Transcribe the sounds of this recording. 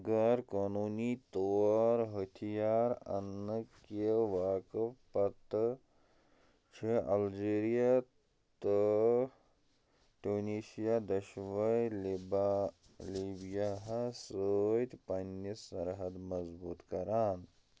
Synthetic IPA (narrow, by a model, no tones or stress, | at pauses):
ɡaɾkoːnuːnit̪oːɾɦɐt̪ʰijaːɾɐ̰nːəkeʋaːkəpɐt̪ | t͡ʃʰiʔɐld͡ʒeːɾija | t̪ə | ʈuːniːsijad̪ɐʃʋɐjlb | libijaɦɐsəjt̪pɐnːisɐɾɦɐd̪mɐzbuːt̪kɐɾaːn